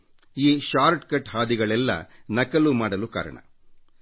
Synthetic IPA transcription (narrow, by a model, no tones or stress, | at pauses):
iːʃaːɾʈkɐʈhaːd̪iɡɐɭɛlːɐ̰nɐkɐlumaːɽɐluka̰ːɾɐ̰ɳɐ̰